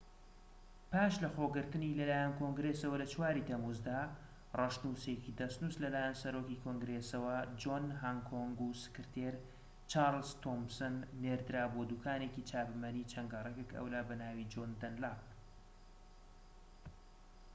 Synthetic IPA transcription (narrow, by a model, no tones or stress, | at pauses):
pʰaːʃlɐxoːɡɨɾt̪ɨnilɐlaːjankʰoŋɡɾesɐwɐlɐt͡ʃwaːɾit̪ɐmuzd̪aː | rˤɐʃnusecid̪ɐst̪nuslɐlaːjansɐɾoːkikʰoŋɡɾesɐwɐd͡ʒoːnɦaŋkʰoŋɡusɨ̥kɨɾt̪ʰeɾ | t͡ʃaːɾlzt̪ʰomsɨnːeɾd̪ɨɾaːbod̪uːkʰaːnecit͡ʃʰaːbɨmɐnit͡ʃʰɐŋɡɐrˤekekɐ̰wlaːbɐnaːwid͡ʒond̪ɐnlap̚